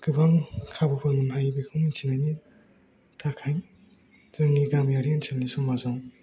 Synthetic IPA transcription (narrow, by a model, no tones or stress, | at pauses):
ɡ̥ɯbaŋkʰabɯpʰɯmɯnɦajbekʰɯmint͡ʃʰinajni | tʰakʰaj | z̥ɯŋniɡamjaɾiansʰelnisɔŋmazaw